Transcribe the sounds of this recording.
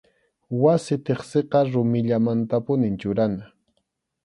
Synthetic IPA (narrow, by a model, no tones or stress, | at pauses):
wasɪt̪eχseqɑɾʊmɪʎamant̪apʊnɪnt͡ʃʊɾana